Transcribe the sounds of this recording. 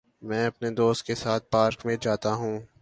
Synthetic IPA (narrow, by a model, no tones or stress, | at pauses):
mɛ̃ːɐpned̪oːst̪̚kesaːt̪̚ʰpaːɾkmẽd͡ʒaːt̪aɦũː